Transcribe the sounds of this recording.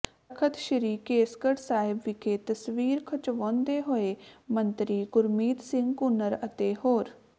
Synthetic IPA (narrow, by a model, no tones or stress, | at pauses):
əkʰət̪ʃəɾiːkeːskəʈsaːɦɪbʋɪkʰeːt̪əsʋiːɾkʰət͡ʃʋɔ̃ːnd̪eːɦoeːmənt̪ɾiːɡʊɾmiːt̪sɪ̃ŋɡkʊnəɾət̪eːɦoːɾ